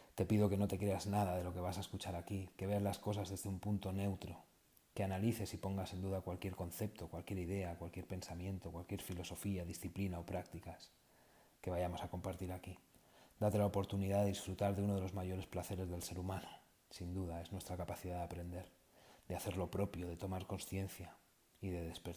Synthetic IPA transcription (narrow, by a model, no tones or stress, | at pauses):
t̪e̞piðo̞ke̞no̞t̪e̞kɾe̞aznaðað̞e̞lo̞ke̞β̞asae̞skut͡ʃaɾakike̞βe̞azlasko̞sazðe̞zðeumpunt̪o̞ne̞wt̪ɾo̞ | ke̞analiθe̞sipo̞ŋɡasend̪uðakwalkje̞ɾko̞nθe̞p̚t̪o̞kwalkje̞ɾið̞e̞akwalkje̞ɾpe̞nsamjẽ̞nt̪o̞kwalkje̞ɾfilo̞so̞fiaðisθiplinao̞pɾakt̪ikas | ke̞βajamo̞sako̞mpaɾt̪iɾakid̪at̪e̞laopo̞ɾt̪uniðaðeðisfɾut̪aɾðeunoðe̞lo̞zmaʝo̞ɾe̞splaθe̞ɾe̞zðe̞lse̞ɾumãno | sind̪uðae̞znwe̞st̪ɾakapaθiðaðeapɾe̞nd̪e̞ɾ | d̪eaθe̞ɾlo̞pɾo̞pjo̞ð̞e̞t̪o̞maɾko̞nsθje̞nθja | iðe̞ðespeɾ